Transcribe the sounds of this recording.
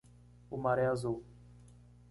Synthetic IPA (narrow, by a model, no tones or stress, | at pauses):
umaɾɛazo